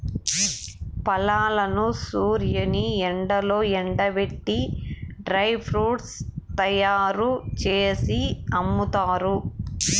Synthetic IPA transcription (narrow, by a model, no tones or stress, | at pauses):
pɐlaːlɐnusuːɾjɐniɛɳɖɐlo̞ːɛɳɖɐʋeʈːiɖɾɐjpʰɾuːʈst̪ɐjaːɾut͡ʃeːsiɐmːut̪aːɾu